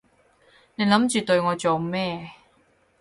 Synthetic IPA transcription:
nɛ˧˩nla˦˥mt͡ɕi˨˩t̪o˧jŋɔ˧t͡ɕo˧mːɛː˥˩˨

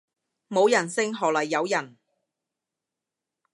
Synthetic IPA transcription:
mo˨˧wjɐ˨˩nsɪ˥ŋɦɔː˨˩lɐ˨˩jːɐ˨˧wjɐ˨˩n

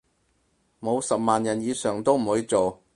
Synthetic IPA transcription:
mo˨˧wsɐ˨p̚maː˨njɐ˨˩njiː˨˧sœː˨˩ŋt̪o˥wm̩˨˩huː˨˧˥jt͡so˨w

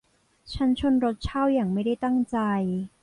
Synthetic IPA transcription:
t͡ɕʰa˦˥nt͡ɕʰo˧nɾo˦˥t̪̚t͡ɕʰaː˥˩wjaː˨˩ŋma˥˩jda˥˩jt̪a˥˩ŋt͡ɕa˧j

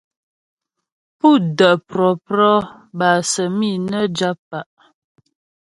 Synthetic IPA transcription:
pu˦˨də˨ʔpɾɔ˨pɾɔ˦ | ba˨sə˨mi˦˨nə˦d͡ʒa˦pːa˨ʔ

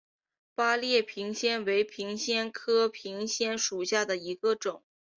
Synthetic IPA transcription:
pa˥ljɛ˥˩pʰi˧˥ŋɕjɛ˥nwe˧˥ɪpʰi˧˥ŋɕjɛ˥nkʰɤ˥pʰi˧˥ŋɕjɛ˥nʂu˨˩ɕja˥˩d̪ə˩i˧˥ɡə˧ʈ͡ʂʊ˨˩˦ŋ

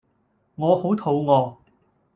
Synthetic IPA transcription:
ŋɔː˨˧ho˨˥wt̪ʰo˨˧wŋɔː˨˧

